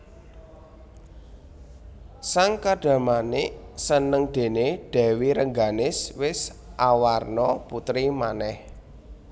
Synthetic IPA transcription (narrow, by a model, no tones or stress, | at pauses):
saŋkaɖ̥a̤manɪʔsənəŋd̪̥e̤neɖ̥ɛ̤wiɾəŋɡanɪswɪsʔawarnɔput̪ɾimanɛh